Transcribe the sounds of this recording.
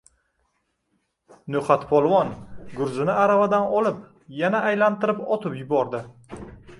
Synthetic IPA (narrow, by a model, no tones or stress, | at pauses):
nɵχat̪pʰɒlˠwɒnɡʊɾzɪnɪaɾavad̪anɒlɪp | janaʔːjlant̪ʰɪɾɪpɒt̪ʰɪpjʊbɒɾd̪ɪ